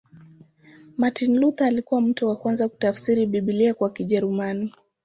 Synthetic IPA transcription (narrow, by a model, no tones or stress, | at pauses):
matinlut̪aːlikuwam̩tɔwakwanzaku̥tafsiɾiɓiɓiliakwakiʄɛɾumani